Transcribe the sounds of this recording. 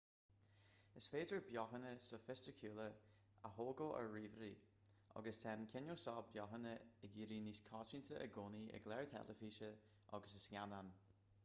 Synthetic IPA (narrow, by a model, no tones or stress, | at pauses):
əsfeːdəɹbjɔxənəsɔfɪstəkʰuːlə | ahoːɡəə̰ɹiːvɾi | ɔ̰ɡəstɛnkʰɪnoːsɔːbjɔɦənəəɡiːɾiːniskʰɑːt͡ʃint̪ʰəʔə̰ɡoːniə̰ɡlɛɹt̪ʰɛ̰ləfiːʃə | ʔɔ̰ɡəsəsnʲanan